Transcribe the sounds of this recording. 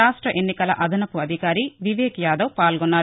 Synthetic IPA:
aːʂʈɾɐʔenːikɐlɐ̰ʔɐd̪ʱɐnɐkuɐd̪ʱikaːɾiʋiʋeːkjaːd̪ɐwpaːlɡonːaː

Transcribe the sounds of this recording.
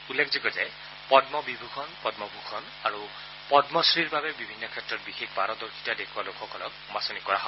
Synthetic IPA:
ulːekʰzikɔzɛ | pɔdmɔbibʱukʰɔnpɔdmɔbʱukʰɔn | aɹu | pɔdmɔsɹiɹbabɛbibʱinːɔkʰɛtɹɔt̚bixʰekʰbaɾɔd̪ɔɹkʰi̥tadekʰualokʰɔkʰɔlɔk̚masɔnikɔɹaɦɔ

